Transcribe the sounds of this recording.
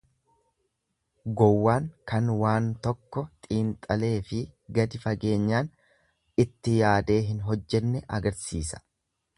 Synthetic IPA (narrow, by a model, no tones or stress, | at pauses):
ɡɔwːaːŋkɐnwaːnt̪ɔkːɔt̪ʼiːnt̪ʼɐle̞ːfɪɡɐd̪ɪfɐɡe̞ːɲːaːn | ɪt̪ːɪjaːd̪e̞ːɦɪnɦɔd͡ʒːɛnːɛʔɐ̰ɡɐɾsiːsɐ̥